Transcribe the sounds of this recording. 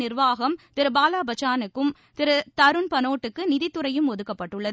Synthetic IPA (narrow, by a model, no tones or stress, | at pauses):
nɪrʋaːɣɐmt̪ɪɾɯbaːlaːbɐt͡ʃːaːnɯkːɯm | t̪ɪɾɯt̪ɐɾɯnpɐnoːʈːɯkːɯnɪðɪt̪ːɯɾɐjɯmɔðɯkːɐpːɐʈːɯɭːɐðɯ